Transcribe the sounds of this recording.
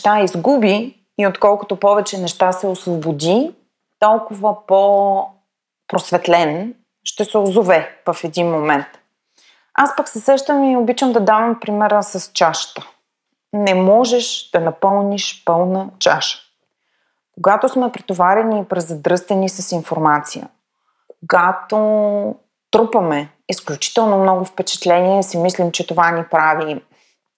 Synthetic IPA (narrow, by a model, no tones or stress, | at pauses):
ʃt̪aizɡubiː | ot̪kɔlˠkʊt̪opɔvɛt͡ʃɛnɛʃt̪asɛosvobod̪ʲi | t̪ɔlˠkʊvəpo | pɾosvɛt̪lɛn | ʃt̪ɛsɛozovɛvɐfɛd̪inmomɛnt̪ | aspəksɛsɾɛʃt̪əmiobit͡ʃəmd̪ɐd̪avɐmpɾimɛɾəsɐst͡ʃaʃt̪ə̥ | nɛmɔʒɛʃd̪̥ɐnɐpɤlˠniʃpɤlˠnət͡ʃaʃə̥ | koɡat̪osmɛpɾit̪ovaɾɛniːpɾɛzːɐd̪ɾɤst̪ənisɐsinfoɾmat̪sijə̰ | koɡat̪o | t̪ɾupɐmɛ | isklʲut͡ʃi̥t̪ɛlˠnomnɔɡʊfpɛt͡ʃɛ̥t̪lɛniɛsimislimt͡ʃɛt̪ovanipɾavi